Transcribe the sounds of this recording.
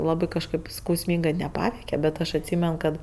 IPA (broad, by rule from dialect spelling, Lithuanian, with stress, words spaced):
ˈlˠɑːbɜ kɐʃˈkɜp skɐʊsʲˈmʲiːŋɡɜ nʲɛˈpɑːʋʲɛɪkʲɛ bʲɛt ˈɐʃ ɐtʲˈsʲiːmʲɛn kɐt